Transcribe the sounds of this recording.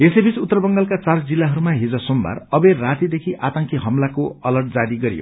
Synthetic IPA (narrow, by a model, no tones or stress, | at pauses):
esebit͡sut̪ːʌrbʌŋɡʌlkat͡sard͡zilːaɦʌɾumaɦid͡zʌsomba̰rʌbeːat̪id̪ekʰiʔat̪ʌŋkiɦʌmlakoʌlʌrʈ̚d͡zad̪iɡʌɾḭjo̰